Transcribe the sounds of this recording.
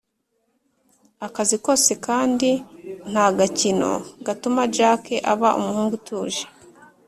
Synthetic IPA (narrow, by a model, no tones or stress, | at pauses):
akaziko̞se̞kaːndin̥haɡacino̞̰ɡatumad͡ʒakeʔaβaʔṵmuhuːŋɡutʰuːʒe̥